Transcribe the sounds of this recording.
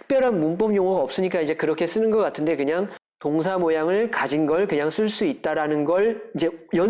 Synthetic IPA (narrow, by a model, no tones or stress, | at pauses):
tʰk̚p͈jʌɾɦanmump͈ʌmjoŋoɡaʌp̚s͈ɯɲik͈aid͡ʑe̞kɯɾʌkʰe̞s͈ɯnɯnɡʌk͈atʰɯnde̞kɯɲaŋ | toŋs̬ʰamojaŋɯɭkad͡ʑinɡʌɭkɯɲaŋs͈ɯɭs͈uit̚t͈aɾanɯnɡʌɭid͡ʑe̞jʌ